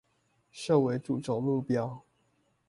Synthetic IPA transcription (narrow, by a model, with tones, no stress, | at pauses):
ʂo˥˩ʊwe˧˥˦ɪʈ͡ʂu˨˩ʈ͡ʂʊ˨˩ŋmu˥˨pjɑ˥ʊ